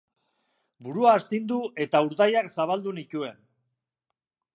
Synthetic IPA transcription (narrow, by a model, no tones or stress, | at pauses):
buɾuaːst̪ind̪uʔe̞t̪auɾðajaksaβ̞ald̪unicue̞n